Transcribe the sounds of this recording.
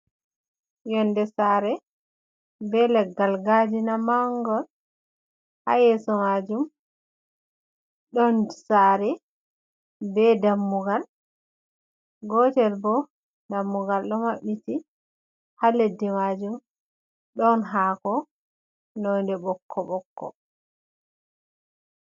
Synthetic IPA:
jɔndɛsaɾɛ | bɛlɛɡːalɡad͡ʒinamaŋɡɔl | ha̰jɛsɔmad͡ʒum | ɗɔnsaɾɛ | bɛdamːuɡal | ɡɔtɛlbɔ | damːuɡalɗɔmaɓːiti | haledːimad͡ʒum | ɗɔnɦaːkɔ | nɔjndɛbɔkʰːɔɓɔkːɔ̰

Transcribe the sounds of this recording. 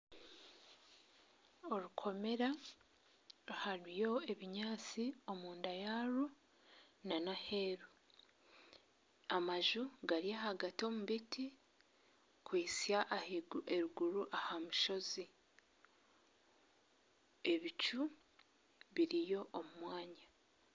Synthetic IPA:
o̞ɾukʰo̞me̞ɾa | ɾuhaɾijo̞e̞βiɲaːt͡sio̞muːndajaɾu | nanahe̞ɾu | amaʒuɡaɾiahaɡato̞muβitʰi | kwiːsaʔeɾuɡuɾuʔahamuʃo̞zi | e̞βit͡ʃu | βiɾijo̞ʔomumwaːɲa

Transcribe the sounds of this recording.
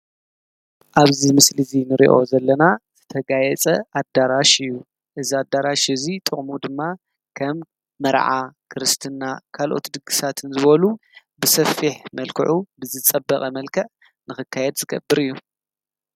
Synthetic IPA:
ʔaβzimɨslizinɨɾḭʔo̞zɐlːɐnazɨt̪ʰɐɡajɛt͡sʼɐʔad̪aɾaʃɨjːu | ʔɨziad̪ːaɾaʃɨzit̪ʼɨχʼmud̪ɨmːa | kʰɐmː | ɐɾʕa̰kʰɨɾɨst̪ʰɨnːakʰalʔo̞̰t̪d̪ɨɡɨsat̪ʰɨnzɨβɐlu | bɨsɐfːiħmɐlkʰɨʕʔubɨzɨt͡sʼɐbːɐχʼɐmɐlkʰɐʕ | nɨxɨkʰːajɛd̪zɨɡɐbːɨɾɨjːu

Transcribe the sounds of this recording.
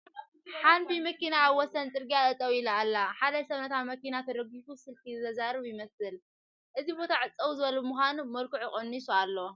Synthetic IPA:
ħanbimɐkinaːβwɔsɐnt͡s̪ʼɨɾɡijat̪ʼɐt̪ʼɐwilaːlːaħad̪ɐsɐβnɐt̪ʰamɐkinat̪ʰɐɾɐɡit̪usɨlt̪ʰiɨtɐzaɾɨβjɪmɐsɨl | ʔɨzibo̞t̪ʰaʕɨt͡sʼːɐwuzɨβɐlubɨmuxʷanumɐlkɨʕuχʼonːisualːow

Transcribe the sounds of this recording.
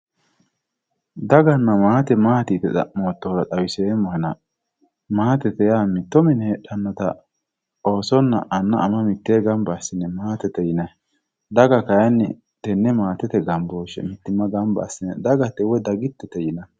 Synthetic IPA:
d̪ɐɡɐnːɐmaːt̪ɛmaːt̪it̪ɛt̪ɐ̰moːt̪ːɔɾɐt̪ʼɐwɪseːmːɔhɛnɐ | maːt̪ɛt̪ɛjaːmɪt̪ːɔmɪnhɛɗɐnːɔt̪ɐ̰ | o̞ːsɔnːɐ̰ʔɐnːɐʔːmɐmɪt̪ːeːɡɐmbɐːsɪnːɛmaːt̪ɛt̪ːɛjɪnɐ | d̪ɐɡɐkɐjɐnːɛ̰ | t̪ɛnːɛmaːt̪ɛt̪ɛɡɐmboːʃɛ̰mɪt̪ːɪmːɐɡɐmbɐ̰ːsɪnːɛ̰d̪ɐɡɐt̪ːɛwɔd̪ɐɡɪt̪ːɛt̪ɛjɪnɐ

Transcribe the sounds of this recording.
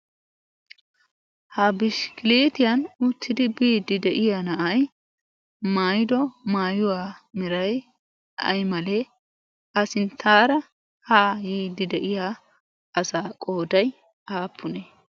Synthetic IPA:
hɐbɪʃkɪleːt̪ɪjɐnʊt̪ʰːɪd̪ɪbiːd̪ɪd̪ɛʔɪjanɐʔɐj | maːjɪd̪ɔmaːjʊwaːmɪɾɐj | ʔɐ̰jmɐle | ʔɐsɪnt̪ʰːaːɾɐ | haːjiːd̪ɪd̪ɛʔɪjaː | ɐsaːkʼo̞ːd̪ɐj | aːpʰːʊne

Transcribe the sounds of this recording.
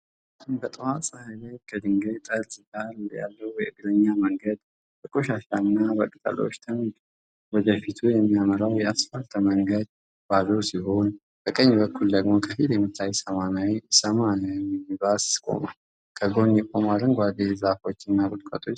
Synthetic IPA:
tumbət̪ʼɨhasʼahajlajkʰəd̪ɨŋɡejt̪ʼəlzɨdalja̰lːəhujɛɨɡɾəɲːaməŋɡəd̪ | təkʼoʃaʃanːabəkʼt̪ʼə̰lo̰t͡ʃːt̪ʰɨn | wɔd̪əfit̪ʰujɛmːijaməɾawjɛasfalt̪ʰməŋɡəd̪ | b̥azəwsiho̞n | b̥əkʼəɲːbəkʰːuld̪əɡmokʰəfit̪jɛmːɨt̪ʰːajsəmanawisəmanajɛmːibasskʼo̞̰mal | kʰəɡo̞njɛkʼo̞malənɡʷad̪ezafo̞t͡ʃːɨnːabɨt̪kʼət̪ʼʰo̞t͡ʃː

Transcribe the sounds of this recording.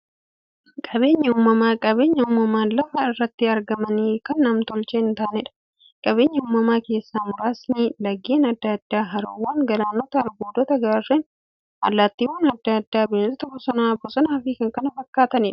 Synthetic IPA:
kʼɐbe̞ːɲːɐʊmːɐmaːkʼɐβe̞ːɲːɐʊmːɐmaːlɐfɐɪrːɐt̪ːɪɐɾɡɐmɐniːkɐnːɐmt̪ɔlt͡ʃɛɪnt̪aːnɪᶑɐ̥ | kʼɐβe̞ːɲːɐʊmːɐmaːke̞ːsːaːmʊɾaːsnilɐɡeːnɐd̪ːɐd̪ːaːɦɐɾo̰wːaːŋɡɐlaːnɔt̪ɐːlɡoːd̪ɔt̪ɐɡaːren | ɐ̰lːaːt̪ːiwuːnɐd̪ːad̪ːaːbɪlːt̪ɐbɔsɔnaːbɔsɐnaːfɪkɐŋkɐnɐfɐkːaːt̪ɐnɪᶑɐ̥

